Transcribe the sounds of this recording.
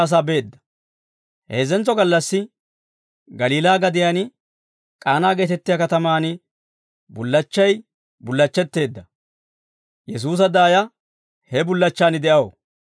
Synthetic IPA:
ɐs̬aːbe̞ːd̪ːɐ̥ | he̞ːzɛnt͡sːɔɡɐlːɐsːɪ | ɡɐliːlaːɡɐd̪ɪjaːn | kʼaːnaːɡe̞ːt̪ɛt̪ːɪjakɐt̪ɐmaːnɪ | bʊlːɐt͡ʃːɐj | bʊlːɐt͡ʃːɛt̪ːe̞ːd̪ːɐ | jɛs̬uːs̬ɐd̪aːjɐ | hɛbʊlːɐt͡ʃːaːnɪd̪ɛʔɐwo

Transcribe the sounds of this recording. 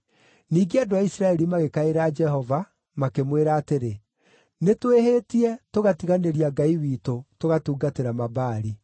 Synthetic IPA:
niːɡeadoaisɾaɛɾimaɣekaeɾaːd͡ʒɛɦɔva | makemweɾaːteɾe | netweheːtiɛtoɣatiɣaneɾiaɡaiwiːtotoɣatuːɡateɾamabaːɾi

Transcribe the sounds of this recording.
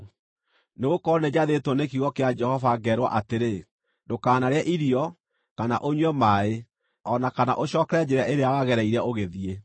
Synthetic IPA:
neɣokɔned͡ʑaðetɔnekiɣɔkead͡ʒɛhɔvaɡɛɾwa̰ʔateɾe | dokaːnaɾeaʔiɾiɔ | kanaʔoɲwɛmae | ɔnakana̰ʔoɕɔːkɛɾɛd͡ʑeɾaʔeɾeawaɣɛɾɛiɾɛoɣeðie

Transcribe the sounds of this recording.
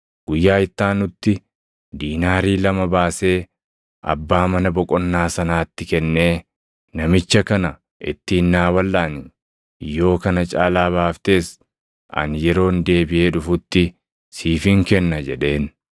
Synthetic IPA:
ɡ̥ʊjːaːɪt̪ːaːnːʊt̪ːɪ | d̪iːnaːɾiːlɐmɐbaːse̞ː | ʔɐ̰bːaːmɐnɐbɔkʼɔnːaːsɐnaːt̪ːɪkɛnːe̞ː | nɐmɪt͡ʃːɐkɐnɐ | ʔɪ̰t̪ːɪːnːaːwɐlːaːnɪ | jo̞ːkɐnɐt͡ʃʼaːlaːbaːft̪e̞ːs | ʔɐ̰njɛɾo̞ːnd̪e̞ːbɪʔeːᶑʊfʊt̪ːɪ | siːfɪŋkɛnːɐd͡ʒɛᶑe̞ːn

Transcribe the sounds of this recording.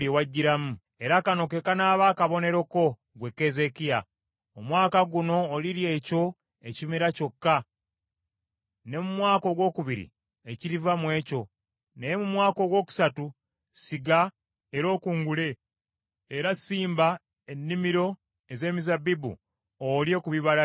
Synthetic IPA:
iwaɟːiɾamu | e̞ɾakano̞ke̞kanaːβaːkaβo̞ne̞ɾo̞ko̞ | ɡwe̞kːe̞ze̞kija | omwaːkaɡuno̞ːliɾje̞ːco̞ | e̞cimiɾaco̞kːa | ne̞mumwaːko̞ɡwo̞ːkuβiɾḭ | e̞ciɾivamwe̞ːco̞ | nejemumwaːko̞ɡwo̞ːku̥satu | siɡa | eɾo̞ːkuːŋɡule̞ | eɾasiːmba | e̞nːimiɾo̞ | e̞ze̞ːmizabibṵ | olje̞kuβiβala

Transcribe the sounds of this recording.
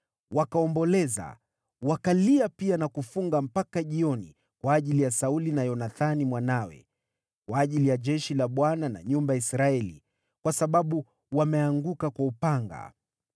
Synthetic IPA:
wakaɔmbɔlɛza̰ | wakaliapianakufuŋɡam̩pakaʄiɔni | kwaːʄilijasaulinajɔnaθanimwanawɛ̰ | kwaːʄilijaʄɛʃilaɓwanana̰ɲumbajaisɾaɛlḭ | kwasaɓaɓu | wamɛaŋɡukakwaupaŋɡa̰

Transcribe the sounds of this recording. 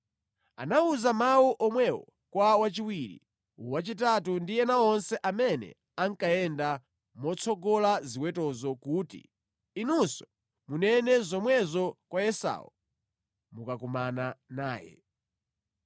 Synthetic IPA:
a̰nauzamawuʔɔmwɛwɔ | kwawat͡ʃiwiɾḭ | uwat͡ʃit̬atundijɛnaɔnsɛʔamɛnɛ̰ | aŋkaɛnda | mɔt͡sʰɔɡɔlaziwɛtɔzɔkuːtḭ | inunsɔ | munɛnɛzɔmwɛzɔkwajɛsa̰ɔ̰ | mukakumananaːjɛ̰

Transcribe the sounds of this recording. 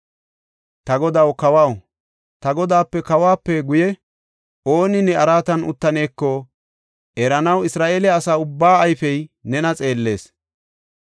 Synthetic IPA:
t̪ɐɡɔd̪ɐwkɐwaw | t̪ɐɡɔd̪aːpːɛkɐwaːpːɛɡʊjɛ | ʔo̞ːnɪnɛɐɾaːt̪ɐnʊ̰t̪ːɐne̞ːkːɔ | ʔɛɾɐnɐwɪsɾaːʔeːlɛːsaːʊbːaːɐjfɛjnɛnɐt͡sʼe̞ːlːe̞ːs

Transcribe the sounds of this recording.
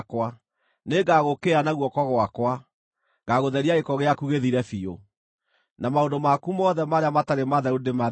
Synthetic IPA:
kwa | neɡaɣokeanaɣwɔkɔɣwakwa | ɡaɣoðɛɾiaekɔɣeakuɣeðiɾɛfio | namaondomakumɔðɛmaɾeamataɾemaðaudema

